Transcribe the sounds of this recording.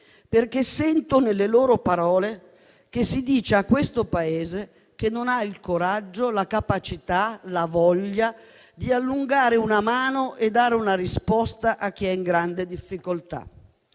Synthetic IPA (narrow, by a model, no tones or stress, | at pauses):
perkesːɛnt̪onelːeloːɾopaɾɔːle | k̟esːid̪iːt͡ʃeakːwest̪opaeːze | kenːonailkoɾad͡ʒːolakapat͡ʃit̪alavɔʎːa | d̪ialːuŋɡaːɾeunamaːnoʔed̪ːaːɾeunaɾispɔst̪aʔak̟ːiɛiŋɡɾand̪ed̪ifːikolt̪a̰